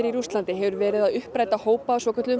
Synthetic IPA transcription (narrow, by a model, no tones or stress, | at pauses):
ɪɾiɾust̪lant̪ɪɦɛvʏɾvɛːɾɪðaðʏhpɾajt̪ahoːwpaːsvɔːkʰʏ̥ɾt̪ʏ